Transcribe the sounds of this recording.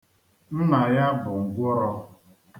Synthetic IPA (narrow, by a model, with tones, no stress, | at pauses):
n̩˦na˨ja˦bʊ˨ŋ̩˨ɡʷɔ˦ɾɔ˦